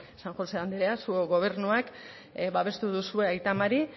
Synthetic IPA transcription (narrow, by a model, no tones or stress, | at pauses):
saŋxo̞se̞and̪eɾeasuoɣo̞β̞e̞ɾnuak | βaβe̞st̪uðusue̞ajt̪amaɾi